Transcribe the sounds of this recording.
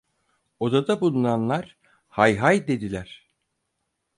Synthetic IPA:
o̞d̪ad̪abulˠunanlˠaɾ̥ | hajɦajd̪e̞d̪ilʲæɾ̥

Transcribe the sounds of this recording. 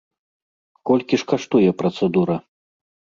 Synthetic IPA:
kɔlʲkʲiʂkaʂt̪ujɛpɾɐt̪sɛd̪uɾɐ

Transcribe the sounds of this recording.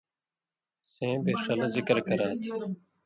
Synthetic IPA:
sẽːbeːʂɐlzɪkɾkɐɾaːt̪ʰi

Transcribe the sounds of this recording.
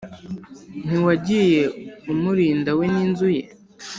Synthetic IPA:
n̥iwaɟije̞umuɾiːndaweniːnzujḛ

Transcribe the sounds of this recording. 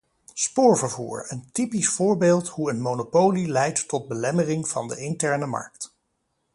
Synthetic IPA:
spʊːɹvəɹvṵːɹəntipisfʊːɹbeːlˠtɦuənmonopowlilɛjtːɔd̚bəlɛmərɪŋv̥ɑ̰ndəɪntɛɹnəmɑ̰ɹk̚t

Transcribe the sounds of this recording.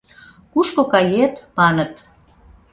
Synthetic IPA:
kuʃkokɑjet̪mɑnət̪

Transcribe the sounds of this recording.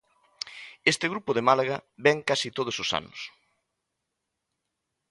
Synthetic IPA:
est̪ɪɣɾupʊðemalaɣabɛŋkasit̪oð̞ʊsosa̰nʊ̰s

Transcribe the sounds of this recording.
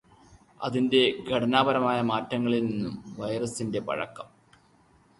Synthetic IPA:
ɐ̰ðinde̞ɡʱɐɽɐnaːbɐɾɐmaːjɐmaːtːɐŋːɐɭilninːumʋɐjrɐsinde̞pɐ̰ɻɐ̰kːɐm

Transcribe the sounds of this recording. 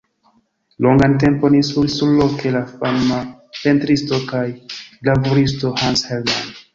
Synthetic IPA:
lo̞ŋɡante̞mpo̞nisulsuɾlokʰe̞lafanma | pe̞ntɾisto̞kajlabuɾisto̞hanshella̰nd

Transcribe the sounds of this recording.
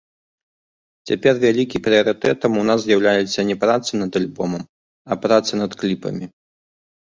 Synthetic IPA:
t͡sʲapʲɛrvʲalʲikʲipɾɨɐɾɨt̪ɛt̪ɐmunazzʲjawlʲajɛt̪sːɐnʲɛpɾat̪sɨnɐd̪alʲbɔmɐm | ɐpɾat̪sɨnɐt̪klʲipɐ̰mʲi

